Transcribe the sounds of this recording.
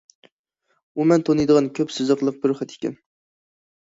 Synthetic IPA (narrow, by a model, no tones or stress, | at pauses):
umɛnt̪ʰonɨjd̪əʁɑnkʲʰøpsɨzəqlˠəq̚bɪɾoχæt̪ʰe̥kʲɛ̰n